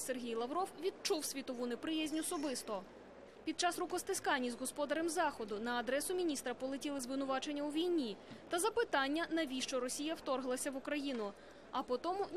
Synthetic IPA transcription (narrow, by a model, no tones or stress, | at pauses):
se̞rɦʲijlˠɐʋɾɔwʋʲid̪̚t͡ʃuwsʲʋʲit̪ɔʋunepɾɪjɛzʲnʲɔsɔbɪst̪ɔ | pʲid̪̚t͡ʃɑsrʊkɔst̪ɪskɑnʲːizɦɔspɔd̪ɐɾemzɑxɔd̪ʊnɐːd̪ɾɛsʊmʲinʲist̪ɾɐpɔlˠetʲilˠɪzʋɪnʊʋɑt͡ʃe̞nʲːɐuʋʲijnʲit̪ɐzɐpɪt̪ɑnʲːɐnɐʋʲiʃt͡ʃɔɾɔsʲijɐwt̪ɔrɦlˠɐsʲɐʋʊkɾɐjinʊ | ɐpɔt̪ɔmʊ